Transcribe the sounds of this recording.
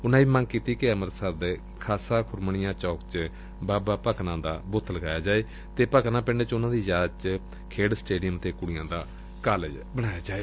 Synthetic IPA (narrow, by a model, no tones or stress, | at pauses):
ʊnãːiːməŋɡkiːt̪iːkeəməɾsəɾd̪eː | kʰaːsãːkʰʊɾməɳɪjãːt͡ʃɔːkt͡ʃ | baːbaːpəknãːd̪aːbʊt̪ʰːləɡaːjaːd͡ʒaːeː | t̪eːpəknãːpɪ̃ɳɖeːt͡ʃʊnãːd̪iːd͡ʒaːt͡ʃ | kʰeːɽsʈeːɖijəmt̪eːkʊɽɪjãːd̪aː | kaːl | bəɽ̃aːjaːd͡ʒaːeː